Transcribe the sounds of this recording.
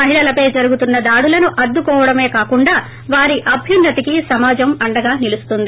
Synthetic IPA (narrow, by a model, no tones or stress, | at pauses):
mɐɦiɭɐlɐpɐjd͡ʒɐɾuɡut̪unːɐd̪aːɽulɐnuʔɐd̪ːukɔːʋɐɽɐme̞ːkaːkuɳɖaː | ʋaːɾiʔɐbʱjinːɐt̪ikisɐmaːd͡ʒɐmɐɳɖɐɡaːnilust̪und̪i